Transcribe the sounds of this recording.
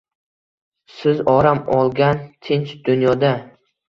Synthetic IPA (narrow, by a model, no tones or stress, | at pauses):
sɪzɒɾamɒlˠɡʲant̪ʰɪnt͡ʃd̪ʊnjɒd̪a